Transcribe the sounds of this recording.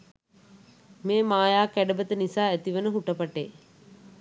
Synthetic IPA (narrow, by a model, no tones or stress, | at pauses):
meːmaːjaːkæɖəbət̪ənisaːet̪iʋənəɦuʈəpɐʈḛː